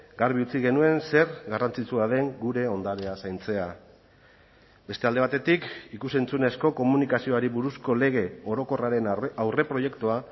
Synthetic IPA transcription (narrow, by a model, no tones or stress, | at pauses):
ɡaɾβiut͡siɣe̞nue̞nse̞ɾɡarant͡sit͡suað̞e̞ŋɡuɾe̞o̞nd̪aɾeasajnt͡se̞a | be̞st̪eald̪e̞βat̪e̞t̪ikikuse̞nt͡sune̞sko̞ko̞munikasio̞aɾiβuɾusko̞le̞ɣ̞e̞o̞ɾo̞ko̞raɾe̞nawre̞pɾo̞je̞kt̪ua